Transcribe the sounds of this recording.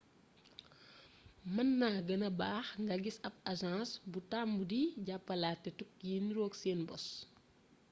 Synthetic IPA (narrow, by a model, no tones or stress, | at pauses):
mɐnːaːɡɐnɐbaːxŋɡɐɡisɐb̚ɐzãːsbutambudiɟapːɐlaːtːɛtuk̚jiniɾɔːkseːnbɔs